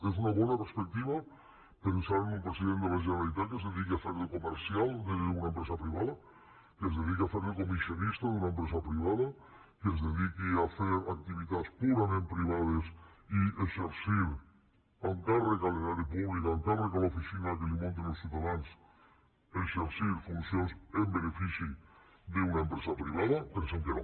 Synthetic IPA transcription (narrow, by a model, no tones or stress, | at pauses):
es̬unaβɔnapeɾspek̚t̪iβa | pensaɾenulpɾesiðẽnd̪emeʒenalit̪̬akezðeðik̬iafeɾðekomeɾsialˠd̪eunaempɾesapɾiβaða | kezðeð̞ikiafeɾðekomisionist̪aðunaempɾes̬apɾiβ̞aða | kezðeðikiafeɾak̚t̪iβit̪atspuɾamẽmpɾiβ̞að̞esieʃeɾsiɾ | aŋkarekalenaɾipuβlikaŋkarekalofisinak̬elimõnt̪̬enolsjut̪aðans | eʃeɾsiɾfunsjonsembenefisi | d̪eunaempɾesapɾiβ̞aðapeɾseŋk̪eɾ